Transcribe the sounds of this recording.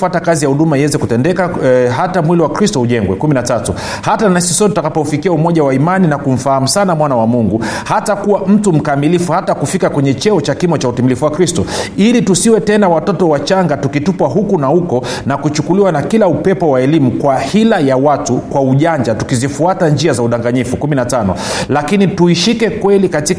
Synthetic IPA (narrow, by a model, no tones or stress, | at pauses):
atakazijahuɗumaiwɛzɛkutɛndɛkaɦatamwiliwakɾistɔhuʄɛŋɡwɛ̰kuminatatu | hatanaisisɔt̬utakapɔufikiaumɔʄawaimaninakum̩faham̩sanamwanawamuŋɡuhatakuwam̩tum̩kamilifuhatakufikakwɛɲɛt͡ʃɛɔt͡ʃakimɔt͡ʃautimilifuwakɾistɔilitusiwɛtɛnawatɔtɔwat͡ʃaŋɡatukitupwaɦukunahukɔnakut͡ʃukuliwanakilaupɛpɔwaɛlimukwahilajawatukwauʄaɲd͡ʒatukizifuataɲd͡ʒiazauɗaŋɡaɲifukuminatanɔ̰lakinituiʃikɛkwɛlikati